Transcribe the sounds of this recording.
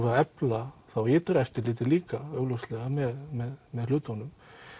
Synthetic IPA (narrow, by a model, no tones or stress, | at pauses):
vɛɾɛplaθawɪːt̪ɾɛft̪ɪɾliːt̪̬ɪliːkaœːɣlowst̪lɛɣamɛðmɛðmɛð̥l̥ʏːt̪anːʏm